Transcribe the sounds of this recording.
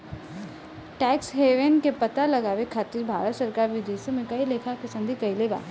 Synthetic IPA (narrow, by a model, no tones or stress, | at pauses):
ʈɛːksɦeːʋenkepɐt̪alɐɡaːʋekʰaːt̪iːɾbʱaːɾət̪səɾkaːɾʋɪd̪eːʃəmẽkɐileːkʰakesə̃nd̪ʱikɐileːɡa̰ː